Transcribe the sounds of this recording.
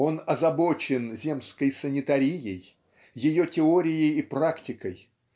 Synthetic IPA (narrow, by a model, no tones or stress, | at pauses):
o̞nɐzɐbo̞t͡ɕɪnzʲe̞mskəjsənʲɪt̪ɐɾʲijɪj | jɪjo̞tʲɪoɾʲɪjɪjipraktʲɪkəj